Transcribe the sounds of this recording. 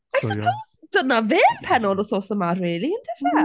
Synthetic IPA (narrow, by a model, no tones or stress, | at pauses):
ajsəpʰoʊz̥d̪ənəvɪnpʰɛnɔləsɔsəmatɹɪːliɪ̃ndɪfə